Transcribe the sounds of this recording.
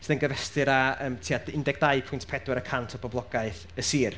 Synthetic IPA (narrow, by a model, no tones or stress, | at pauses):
sɪðənɡəvɛstɨɾaəːmtʰiːadɪndɛɡ̥̚d̥ajpʰʊjntʰpʰɛdwɛɾəkʰantʰɔbɔblˠɔɡ̥aɨθ | əsiːr